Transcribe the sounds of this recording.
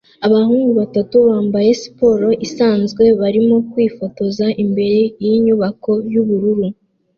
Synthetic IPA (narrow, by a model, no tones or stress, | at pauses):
aβahuːŋɡuβatatuβaːmbaje̞si̥po̞ɾo̞ʔisaːnzɡwe̞βaɾimo̞kwiːfo̞to̞zaʔimbe̞ɾe̞jiɲuβako̞juβuɾuɾu